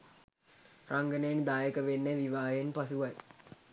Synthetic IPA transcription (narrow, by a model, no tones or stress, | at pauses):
rʔaŋɡənəjend̪aːjəkəʋenːeʋiʋaːjenpasuʋaj